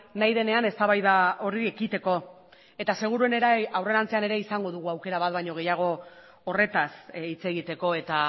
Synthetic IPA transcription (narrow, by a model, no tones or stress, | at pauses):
najðe̞ne̞ane̞st̪aβajðao̞riekit̪e̞ko̞ | e̞t̪ase̞ɣ̞uɾuene̞ɾaawre̞ɾant͡se̞ane̞ɾe̞isaŋɡo̞ðuɣ̞uawke̞ɾaβat̪̚βajɲo̞ɣ̞e̞jaɣ̞o̞ː | re̞t̪asit͡se̞ɣ̞it̪e̞ko̞e̞t̪a